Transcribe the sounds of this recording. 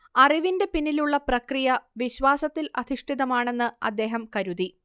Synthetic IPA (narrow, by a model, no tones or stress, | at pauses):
ɐriʋinde̞pinːiluɭːɐprɐkrijɐʋiɕʋaːsɐt̪ːilɐd̪ʱiʂʈʰiðɐmaːɳe̞nːɨɐ̰d̪ːe̞ːɦɐmkɐɾuði